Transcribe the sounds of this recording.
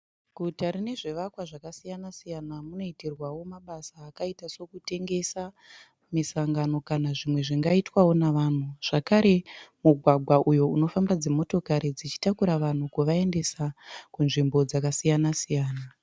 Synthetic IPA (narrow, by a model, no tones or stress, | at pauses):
kutaɾine̞ʐe̞ʋakwaʐakasijanasijanamuno̞iterwawo̞maɓasaːkaitaso̞kute̞ŋɡe̞sa | misaŋɡano̞kanaʐimwe̞ʐiŋɡaitwawo̞naʋan̤uʐ̥akaɾe̞muɡʱwaɡʱwaʔujo̞uno̞fambad͡zemo̞to̞kaɾid͡zit͡ʃi̥takuɾaʋan̤ukuʋae̞nde̞sakunʐimbo̞d͡zakasijanasijaːna